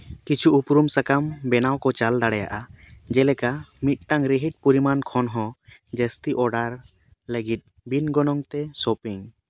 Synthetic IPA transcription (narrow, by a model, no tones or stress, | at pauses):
kit͡ʃʰuːpɾumsakambɛnawkɔt͡ʃald̪aɽɛja̰ʔad͡ʒɛlɛkamit̪̚ˀʈaŋɾiɦiʈ̚puɾimankʰɔnɦɔ̃d͡ʒəst̪iʔɔɖaɾ | ləɡit̪̚ | binɡɔnɔŋt̪ɛsopiŋ